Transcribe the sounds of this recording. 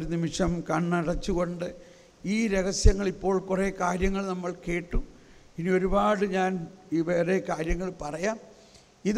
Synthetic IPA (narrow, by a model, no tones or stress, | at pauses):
oɾunimiʂɐmkɐɳːiɽɐt͡ɕːuɣo̞ɳɖɨ | iːɾe̞ɣɐsjɐŋːɐɭipːo̞ːɭkure̞ːkaːɾjɐŋːɐɭnɐmːɐɭke̞ːʈːu | inio̞ɾubaːɽɨɲaːniʋe̞ːrekaːɾjɐŋːɐɭpɐrɐjaːm | ið